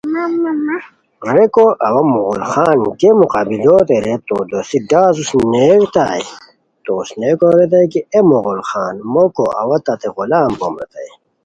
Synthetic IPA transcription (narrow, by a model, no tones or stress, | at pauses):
ɾekoʔɐwɐmuɣulxaːnkemuqabiloːt̪eɾet̪o̰ːd̪osiɡaːzusneːkt̪a̰ːj | t̪oːsneːkoɾet̪̬ɐjkiemoɣulxaːnmoko̰ʔɐ̰wɐt̪ɐt̪eʁulaːmbomɾḛt̪ɐ̰j